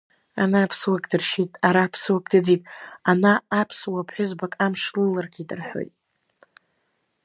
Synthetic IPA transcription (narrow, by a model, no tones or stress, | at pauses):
a̰naːpʰswakʼdɨrʃitʼaɾapʰswakʼdɨd͡zitʼanaːpʰswapʰħʷʊzbakʼamʂlɨlarɡʲidɨrħo̞̰jtʼ